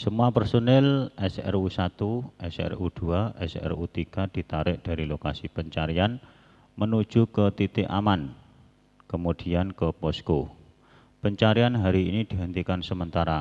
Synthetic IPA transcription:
səmuapərsonɛlɛsɛ̰rusat̪uʔɛsɛ̰rud̪̥uaʔɛ̰sɛ̰rut̪iɡ̥ad̪̥i̤t̪aɾɪʔd̥a̤ɾilokasipəɲt͡ʃaɾian | mənu̥d͡ʒ̥ukət̪it̪ɪʔa̰man | kəmud̪̥i̤ankəpɔsko | pəɲt͡ʃaɾianɦaɾiːnid̪̥i̤ɦənt̪ikansəmənt̪aɾa

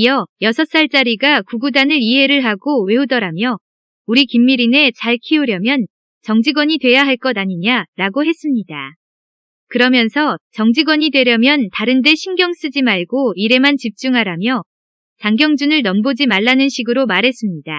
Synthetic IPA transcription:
ijʌjʌsʰʌs͈aɭt͡ɕ͈aɾiɡakuɡudanɯɾiɦe̞ɾɯɭɦaɡowe̞udʌɾamjʌ | uɾikimːiɾine̞t͡ɕaɭkʰiuɾjʌmjʌn | t͡ɕʌŋd͡ʑiɡwʌɲidwe̞jaɦaɭk͈ʌdaɲiɲaɾaɡoɦe̞s͈ɯmɲida | kɯɾʌmjʌnsʰʌt͡ɕʌŋd͡ʑiɡwʌɲidwe̞ɾjʌmjʌntaɾɯnde̞ɕʰiŋɡjʌŋs͈ɯd͡ʑimaɭɡoiɾe̞mant͡ɕip̚t͡ɕ͈uŋɦaɾamjʌ | t͡ɕaŋɡjʌŋd͡ʑunɯɭnʌmbod͡ʑimaɭːanɯnɕʰiɡɯɾomaɾɦe̞s͈ɯmɲida

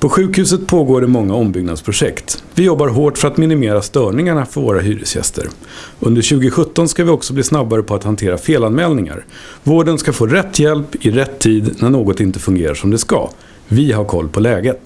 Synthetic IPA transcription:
pʰɔɧʉ̟ːkhʉ̟ːs̬ət̪̚pʰoːɡoːɖɛmɔŋːaɔmbʏɡnad̪spʰɾʊʂɛkt̪vɪjɔbːaɾɦoːʈfœɾat̪mɪnɪmeːɾast̪œːɳɪŋaɳafœɾvo̰ːɾaɦy̰ːɾɪ̰sjɛ̰st̪ə̰ɾ | ɵnd̪əɾɕʉ̟ːɡɪɧɵt̪ːɔnskavɪɔksɔbliːsnabːaɾəpʰɔat̪hant̪ʰeːɾafeːlanmɛːlnɪŋa̰ɾ | voːɖənskafoːɾɛt̪ʰːjɛlpɪɾɛt̪ʰːiːd̪næɳoːɡɔt̪ɪnt̪əfɵŋɡeːɾa̰ʂɔmd̪ɛska̰ | vɪɦaɾkʰɔ̰lːpʰɔlɛːɡət̪

